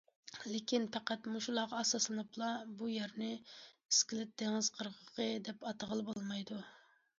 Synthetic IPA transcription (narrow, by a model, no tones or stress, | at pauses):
lɪkʲinpæqæt̪muʃulˠɑʁɑːsɑslˠɨnɨplˠɑbujɛɾnɪiskʲilɪp̚d̪̥eŋɪzqʰəɾʁəqʰəd̪ɛpɑt̪əʁəlˠbolˠmɑjd̪u